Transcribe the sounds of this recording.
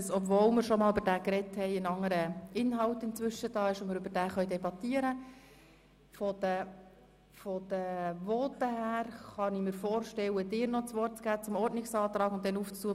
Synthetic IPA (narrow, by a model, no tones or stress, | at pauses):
sɔpvoːlmɪɾʃɔmɑːlybəɾdæːkrɛthɛɪənɑŋːəɾəɪnɦɑltɪnt͡sʋʏʃəd̥ɑːɪʃʊnmɪɾybəɾd̥æːχœʏdɛbɑt̪iəɾə | fɔdə | fɔd̥əʋɔːt̪əhæːɾχɑnimɪɾfɔːɾʃtɛwədɪːɾnɔt͡sʋɔrt̚t͡sɡ̥æːt͡sʊmɔɾdnɪksɑːt̪ɾɑːɡʊnt̚dɛnuːft͡stuːə